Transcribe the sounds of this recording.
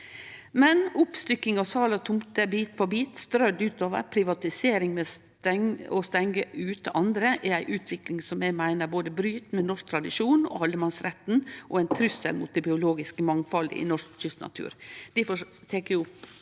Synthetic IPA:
mɛnʊpst̪ʏkːɪŋɑʋsɑːlɑt̪ʰʊmt̪əbiːt̪fɔbiːt̪st̪ɾœd̪ʉːt̪oːʋə̰ɾpʰɾɪʋɑt̪ɪseːɾɪŋmɛs | t̪ɛŋɔst̪ɛŋɡəʔʉːt̪əʔɑnd̪ɾəʔɛɾæɪʔʉːt̪ʰʋɪklɪŋsɔmjɛɡmæɪnəɾboːd̪əbɾyːt̪mɛnɔʂk̚t̪ʰɾɑd̪ɪʂuːnɔ̰ɑld̪əmɑnsɾɛt̪n̩ʔɔæɪnt̪ʰɾʏsə̰lmʊt̪ːɛbɪʊloːɡɪskəmɑŋfɑlɪ̰nɔʂkɕʏst̪nɑ̰t̪ʰʉ̰ːɾd̪̥ɪfɔt̪ʰeːkəʊp

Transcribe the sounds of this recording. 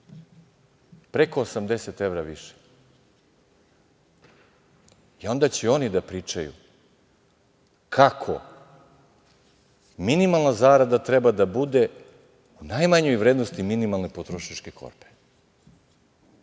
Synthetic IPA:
pɾe̞ko̞ːsamd̪e̞set̪e̞vɾaʋiʃe̥ | io̞nd̪at͡ɕeo̞nid̪apɾiːt͡ʃajṵ | kʰakʰo̞̰ | minimalˠnazaːɾad̪at̪ɾebad̪abud̪e̞ | unajmaɲojʋɾed̪nost̪iminimalˠnepot̪ɾoʃat͡ʃke̞kʰo̞̰ɾpe

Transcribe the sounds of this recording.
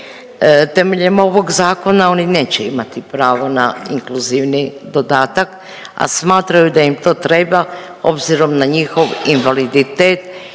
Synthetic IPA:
t̪e̞me̞ʎemo̞ʋo̞ɡzaːko̞nao̞nine̞ːt͡ɕeimat̪ipɾaːʋonaiŋkluziʋnid̪o̞d̪aːt̪ak | a̰smaːt̪ɾajud̪ajimt̪o̞ːt̪ɾeba | o̞bziɾo̞mnaɲixo̞ʋinʋalid̪it̪eːt̪

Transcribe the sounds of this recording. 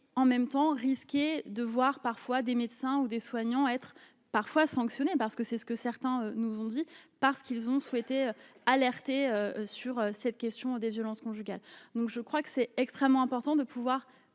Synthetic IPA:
ɑ̃mɛmt̪ɑ̃ʁiskʲed̪əvwaʁpaʁfwad̪emed̪sɛ̃ud̪eswaɲɑ̃ɛt̪χ | paʁfwasɑ̃ksjɔnepaʁsə̥kəsɛsə̥kəsɛʁt̪ɛ̃ønuzɔ̃d̪ipaʁsə̥kilzɔ̃swɛt̪eøalɛʁt̪eøsyʁøsɛt̪kʲɛst̪jɔ̃d̪evjɔlɑ̃skɔ̃ʒyɡʲald̪ɔ̃kʒəkχwakə̥sɛɛkst̪χɛmːɑ̃ɛ̃pɔʁt̪ɑ̃d̪əpʰuvwaʁ

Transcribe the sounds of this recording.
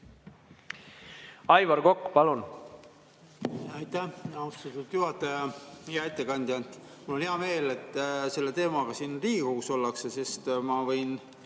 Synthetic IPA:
ɑjvɑɾɡokːpɑlun | ɑjt̪ːæhɑust̪ɑt̪ːˑud̪̥juɦɑt̪ːˑɑjɑjɑet̪ˑːe̞kɑnʲd̪iɑnt̪ːˑ | mulːo̞neɑme̞ːle̞t̪ːˑse̞lːe̞t̪e̞ːmɑɡ̥ɑsiːnriːɡuːso̞lːɑksese̞st̪mɑvɤjn

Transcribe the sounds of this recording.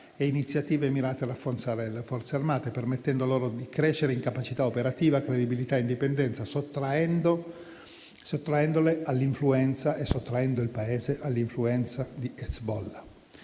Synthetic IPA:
einit̪sːjat̪iːvemiɾaːt̪eadafːort̪saːɾelefɔrt̪searmaːt̪epermet̪ːɛnd̪oloːɾod̪ikɾeʃeɾeiŋkapat͡ʃit̪aopeɾat̪iːvakɾed̪ibilit̪aeind̪ipend̪ɛnt̪sasot̪ːɾaɛnd̪o | sot̪ːɾaɛnd̪olealːiɱfluɛnt̪saʔesːot̪ːɾaɛnd̪oilpaeːzeʔalːiɱfluɛnt̪sad̪iɛsbɔlːa

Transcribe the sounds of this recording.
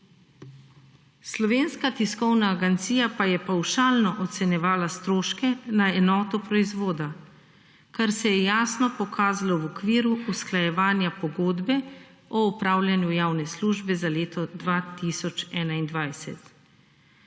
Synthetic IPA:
slɔʋeːnskat̪iskɔwnaːɡɛnt̪siːjapajɛpawʃaːlnɔʔɔt̪sɛnjɛʋaːlast̪ɾoːʃkɛnaɛnɔːt̪ɔpɾɔizʋoːd̪a | kaɾsɛjɛjaːsnɔpɔkʰaːzalawɔkʋiːɾuːsklajɛʋaːnjapɔɡoːd̪bɛ | ɔupɾaːwlʲjanjujaːwnɛsluːʒbɛzaleːt̪ɔd̪ʋat̪isɔt͡ʃɛːnaind̪ʋajsɛ̰t̪

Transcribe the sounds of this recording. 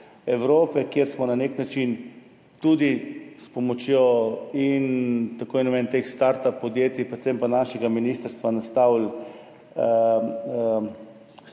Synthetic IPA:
ɛwɾoːpɛkjeɾsmɔnaneknat͡ʃin | t̪ud̪ispɔmɔt͡ʃjoint̪akoːjɛnɔmɛnt̪exst̪aɾt̪apːɔd̪jeːt̪ipɾɛt̪sempanaːʃɛɡaminiːst̪əɾst̪ʋanast̪awl

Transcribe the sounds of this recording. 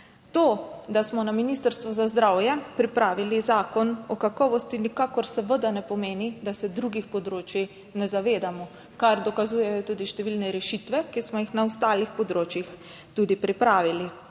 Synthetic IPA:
t̪oːd̪asmɔnaminist̪əɾst̪ʋɔzazd̪ɾawjɛpɾipɾaːʋilizaːkɔnɔkakɔːʋɔst̪inikakɔɾsəʋəd̪anɛpɔmeːnid̪asɛd̪ɾuɡixpɔd̪ɾoːt͡ʃji | nɛzaʋeːd̪amɔ | kaɾd̪ɔkazuːjɛjɔt̪uːd̪iʃt̪ɛʋilnɛɾɛʃit̪ʋɛkismɔjixnaɔst̪aːlixpɔd̪ɾoːt͡ʃjix | t̪ud̪ipɾipɾaːʋili

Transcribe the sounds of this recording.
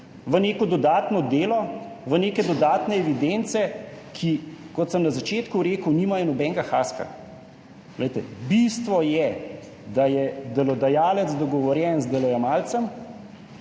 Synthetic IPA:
ʋəneːkɔd̪ɔd̪aːt̪nɔd̪eːlɔ | ʋəneːkɛd̪ɔd̪aːt̪nɛɛʋid̪ent̪sɛkʰikɔt̪səmnazat͡ʃeːt̪kuɾeːkəwniːmajɔnɔbɛŋɡaxaːska̰ | ɡ̥lɛjt̪ɛ̰bist̪ʋɔjɛ | d̪ajɛd̪ɛlɔd̪ajaːlɛt̪zd̪ɔɡɔʋɔɾjɛnzd̪ɛlɔjamalt̪səm

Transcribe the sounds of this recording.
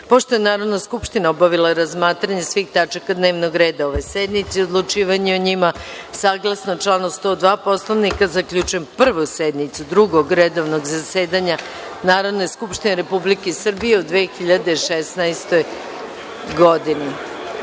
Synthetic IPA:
po̞ʃt̪o̞jenaːɾod̪naskupʃt̪inaobaʋilˠaɾazmaːt̪ɾaɲesʋiːxt̪at͡ʃakad̪ne̞ːʋnoɡɾeːd̪ao̞ʋe̞sɛd̪nit̪siod̪lˠut͡ʃiːʋaɲeoɲimasaːɡlˠasnot͡ʂlˠaːnost̪o̞d̪ʋaːpo̞slˠoʋnikazakʎut͡ʃujempr̩ʋusɛd̪nit̪sud̪ɾuɡoɡɾed̪oʋnoɡzaseːd̪aɲa | naːɾodneskupʃt̪ineɾepublikesr̩bijeud̪ʋeːxiʎad̪eʃesnaest̪o̞j | ɡo̞d̪ini

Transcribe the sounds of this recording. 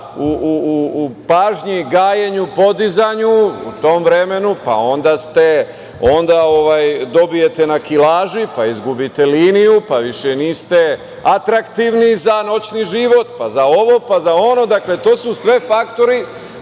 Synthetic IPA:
uː | paːʒɲiɡaːjeɲupo̞d̪izaɲuṵt̪o̞mʋɾe̞me̞nupa̰o̞nd̪ast̪e̞ | o̞nd̪aoʋaːjd̪o̞bije̞t̪e̞nakilaːʒipaizɡubit̪eliːnijupaʋiʃeniːst̪e̞ | at̪ɾakt̪iʋnizano̞t͡ɕniʒiʋo̞t̪pazao̞ʋo̞pazao̞no̞d̪akle̞t̪o̞ːsusʋe̞fakt̪o̞ɾi

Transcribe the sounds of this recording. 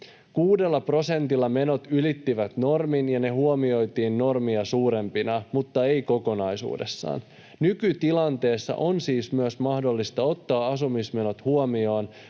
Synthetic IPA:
kuːde̞lːɑpro̞se̞nt̪ilːɑme̞no̞t̪ylit̪ːiʋæt̪no̞rminjɑne̞ɦuomio̞jt̪iːnːo̞rmiɑsuːɾe̞mpinɑmut̪ːɑe̞jko̞ko̞nɑjsṵːde̞̰sːɑ̰ːn | nykyt̪ilɑnt̪e̞ːsːɑ̰ʔonsiːsmyøsmɑhdo̞lːist̪ɑo̞t̪ːɑːɑsumisme̞no̞t̪huomio̞ːn

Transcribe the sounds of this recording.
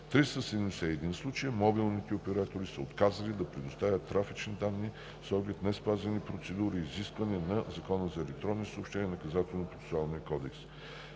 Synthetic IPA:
t̪ɾist̪əsɛd̪ɛmd̪ɛsɛɛd̪inslˠut͡ʃəjəmɔbilˠnit̪ɛopɛɾat̪oɾisəot̪kazəlid̪ɐpɾɛd̪ost̪avʲət̪ːɾafit͡ʃnid̪anːi | sɔɡlɛt̪nɛspazɛnipɾot̪sɛd̪uɾiːziskvɐnɛnɐzɐkɔnəzɐɛlɛk̚t̪ɾɔnisəoːpʃt̪ɛnʲiɛnɐkɐzat̪ɛlˠnopɾot̪sɛ̥sualˠniəkɔd̪ɛks

